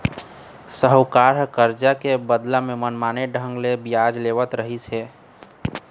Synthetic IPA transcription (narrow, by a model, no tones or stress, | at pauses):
səɦəwkaɾkəɾd͡ʒakebəd̪lamemənmaneɖʱəŋɡlebijad͡ʒleʋət̪ɾəɦisʰe